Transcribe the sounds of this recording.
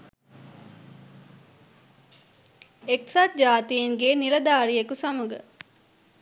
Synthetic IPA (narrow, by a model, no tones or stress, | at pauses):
eksat̪̚d͡ʒaːt̪ijeŋɡeːniɾɐd̪aːɾijekusamuɡə̰